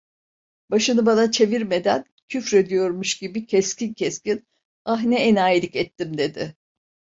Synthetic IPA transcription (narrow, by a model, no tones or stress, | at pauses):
baʃɯnɯbanat͡ʃʰe̞viɾme̞d̪æn | cʰyfɾe̞d̪ijo̞ɾmuʃɟibicʰɛscincʰɛscin | aɦnɛenaːjilʲicɛt̪ʰːimd̪e̞d̪ɪ